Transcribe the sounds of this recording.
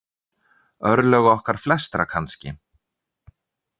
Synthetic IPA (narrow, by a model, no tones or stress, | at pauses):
œɾlœɣɔhkaɾ̥flɛst̪ɾa̰kʰanscɪ̰